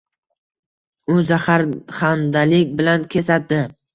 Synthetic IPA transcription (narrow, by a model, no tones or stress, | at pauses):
ʊzaχaɾχand̪alɪkʲbɪlankʲʰe̞sat̪̚d̪ɪ